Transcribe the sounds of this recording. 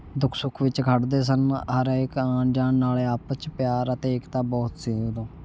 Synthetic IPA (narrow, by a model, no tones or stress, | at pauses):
d̪ʊkʰsʊkʰʋɪt͡ʃkʰəʈd̪eːs̬ənɦəɾɪkãːnd͡ʒaːɳːaːleːaːpt͡ʃpjaːɾət̪eːɪkt̪ãːbɔːt̪seːd̪õː